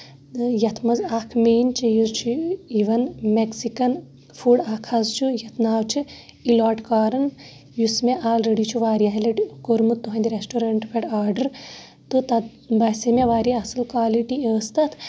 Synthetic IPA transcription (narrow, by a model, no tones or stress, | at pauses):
jɐt̪ʰmɐzakʰmeːnt͡ʃʰijuzt͡ʃʰuiːʋɐnmeksikɐn | fʰuɽɐkʰɐzt͡ʃʰujɐt̪ʰnaːwt͡ʃʰi | ilaːʈkaːɾɐn | jusmeʔaːlɾeɽit͡ʃʰuʋaːɾijɐɦelɐʈkoɾmut̪ːuɦɐ̃nd̪iɾesʈoɾɐɳʈpʰeʈaːɾɖɐɾ | t̪ɨt̪ɐ | bɐsemeʋaːɾiɐsɐlkʋaːliʈiəːst̪ɐt̪ʰ